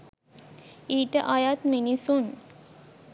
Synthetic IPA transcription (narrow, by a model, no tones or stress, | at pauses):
iːʈəʔajat̪minisun